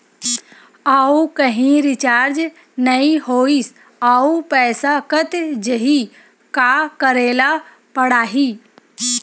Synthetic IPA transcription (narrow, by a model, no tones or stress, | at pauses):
aːukɐɦĩɾɪt͡ʃaːɾd͡ʒ | nəĩɦoːis | aːupɛːsakət̪d͡ʒəɦi | kakəɾeːla | pəɽaːɦiː